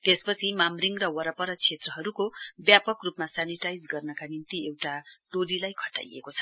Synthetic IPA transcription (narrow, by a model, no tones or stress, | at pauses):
kespʌt͡sʰimamriŋɡrʌwʌɾʌpʌɾʌt͡sʰet̪rʌɦʌɾukobjapʌkrupmasaniʈajd͡zɡʌrnʌkanint̪iewʈaʈolilajkʰʌ̥ʈa̰jḛkot͡sʰʌ̥